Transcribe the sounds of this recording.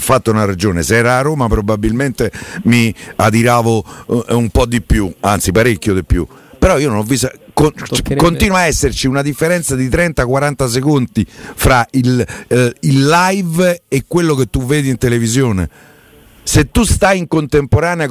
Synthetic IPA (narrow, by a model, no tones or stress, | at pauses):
fːat̪ːounarad͡ʒoːnḛsɛːɾaːroːmapɾobabːilment̪emia̰d̪iɾaːvoumpɔd̪ipːjua̰nt̪sipaɾekːjod̪epːjṵ | peɾɔiononɔvːisakokont̪iːnwaɛsːeɾt͡ʃiunad̪ifːeɾɛnt̪sad̪it̪ɾɛnt̪akwaɾant̪as̬ekont̪ifɾail | ilːajvekːwelːoket̪ːuvːeːd̪int̪elevizjoːnḛ | set̪ːust̪ajiŋkont̪empoɾaːnea